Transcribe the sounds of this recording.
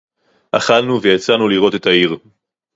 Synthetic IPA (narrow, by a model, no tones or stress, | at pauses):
ʔa̰χalnuvejat͡sanuliʁo̞te̞taiʁ